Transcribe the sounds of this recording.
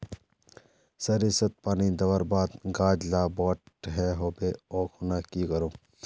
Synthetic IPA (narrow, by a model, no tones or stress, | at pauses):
sɐɾisɐt̪̚paːnid̪ɐʋəɾbaːd̪ɡaːd͡ʒlaːbɔːʈɦɛːɦoːbeoːkʰonaːkikɐɾoː